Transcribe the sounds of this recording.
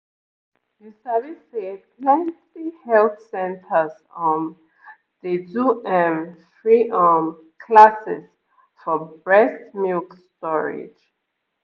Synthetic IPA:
ðisɛvisepʰlɛ̃ntihɛlθsɛ̃ntʰəz | ɔ̃n | diduʔɛ̃mfɹiʔɔm | kʰlasɪ̰s | fɔbɹɛsmilkstɔɹɪ̰d͡ʒ

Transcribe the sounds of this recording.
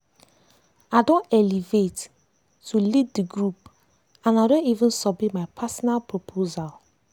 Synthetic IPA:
adɔ̃nɛlivet | tʰulid̚diɡɹup | ãnadõnivə̃nsɔbitmaɪpʰasɔnalpʰɹopʰozal

